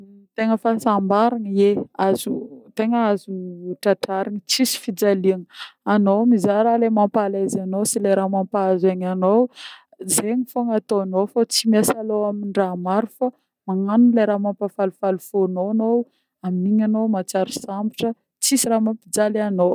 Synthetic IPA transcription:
t̪eŋəfasambaɾaŋeazut̪eŋəazuʈ͡ʂaʈ͡ʂaɾaŋət͡sisi̥fid͡zaliaŋəanomizaɾalemampalazanosileɾamampazaɲanow | zeɲifoŋat̪oanowfot͡simasaloaminɖ͡ʐamaɾufa | maŋanunleɾamampafalufalufonoanow | aminiɲanowmat͡saɾusambiʈ͡ʂə | t͡sisiɾamampid͡zaliano

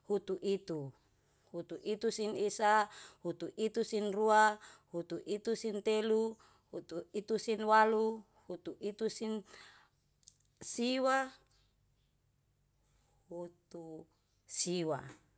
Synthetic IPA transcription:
hut̪uʔit̪u | hut̪uʔit̪usinisahut̪uʔit̪usinruahut̪uʔit̪usint̪elu | hut̪uit̪usinwalu | hut̪uʔit̪usin | siwa | hut̪u | siwa̰

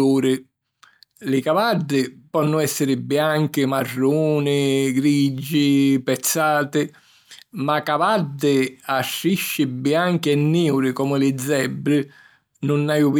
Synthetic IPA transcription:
uːɾɪ | lɪkavad̪ːɪpɔnːʊɛsːɪɾɪbɪaŋkɪmarːuːnɪɡɾid͡ʒːɪpɛt̪sːaːt̪ɪ | makavad̪ːɪaʃːiʃːɪbɪaŋkɪɛnːiːwɾɪkɔmɪlɪd̪zːɛbːɾɪ | nʊnːajʊv

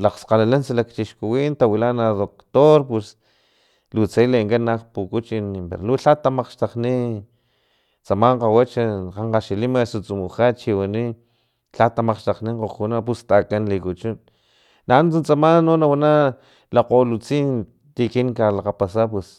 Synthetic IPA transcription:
laqsqalalansalakt͡ʃiʃkuwint̪awilanaðokt̪oɾpwes | lut͡sejleŋkanːaqpukut͡ʃinpḛɾoluɬat̪ːamaqʃt̪aqni | t͡samaɴqawat͡ʃaqaɴqaʃilimasut͡sumuχat͡ʃiwani | ɬat̪amaqʃt̪aqniŋqoχunap̬ust̪akanlikut͡ʃunː | ant͡sunt͡samanːonawana | laqolut͡siːn | t̪ikiŋkalaqapasap̬wes

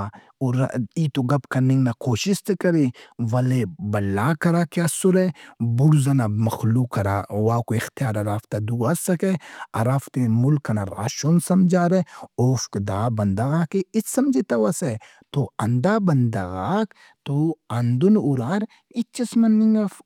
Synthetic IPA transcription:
ʊɾiːt̪oɡɐbkɐnɪ̃ŋɡnakoːʃɪst̪kɐɾeʋɐlebɐlːaːkɐɾaːkeɐsʊɾebʊɽzɐnamɐxluːkɐɾa̰ːwaːkoɪxt̪ijaːɾɐɾaːft̪ad̪uːasɐkeɐɾaːft̪emʊlkɐnaɾa̰ːʃonsɐmd͡ʒaːɾeoːfkd̪aːbɐnd̪aɣaːkeɪssɐmd͡ʒet̪ɐʋɐse | t̪oɐnd̪aːbɐnd̪ɐɣaːk | t̪oɐnd̪unʊɾaːɾ | ɪt͡ʃɐsmɐnːɪŋɡaf

